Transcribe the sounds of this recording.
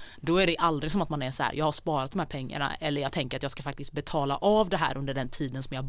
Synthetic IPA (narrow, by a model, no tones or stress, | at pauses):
d̪ɔæɖɛʔald̪ɾɪɡsɔmat̪manɛsɔhæ̰ːɾjɑːɡhaʂpɑːɾat̪d̪ɔmhæɾpʰɛŋːa̰ɳa̰ɛlːəɾjɑːɡ̚t̪ʰɛŋkəɾat̪jɑɡskafak̚t̪ɪst̪̚bɛt̪ʰɑːla̰ʔavd̪ɛɦæ̰ːɾʔɵnd̪əɖɛnt̪ʰiːd̪ənsɔmjah